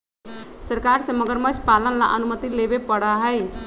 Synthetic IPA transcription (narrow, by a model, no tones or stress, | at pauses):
səɾkaɾsəməɡɾmət͡ʃʰpalənla̰ʔənumət̪ilebepəɽaɦəɪ